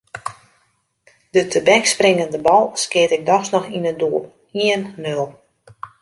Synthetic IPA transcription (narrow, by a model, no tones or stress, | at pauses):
dətʰəbɛksprɪŋəndəbɔlˠskɪətɪk̚dɔxsnɔxinəduəlˠ | iənːølˠ